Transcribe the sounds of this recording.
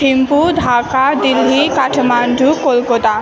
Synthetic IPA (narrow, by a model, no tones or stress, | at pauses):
impud̪ʱaːkad̪ilːikaʈʰmaɳɖukolkot̪a